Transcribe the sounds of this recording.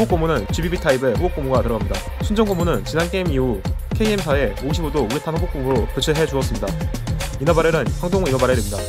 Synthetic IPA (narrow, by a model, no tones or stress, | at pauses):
ok͈omunɯnt͡ɕibibitʰaibeɸobok͈omuɡatɯɾʌɡamɲida̰ | sʰund͡ʑʌŋɡomunɯnt͡ɕinank͈ʰeimiukʰeiemsʰae̞oɕʰibodouitʰanhobok͈̚omɯɾokɯt͡ɕʰɯɭɦe̞d͡ʑuʌs͈ɯmɲidainʌbaɾeɾɯnɸaŋdoŋinʌbaɾedemɲida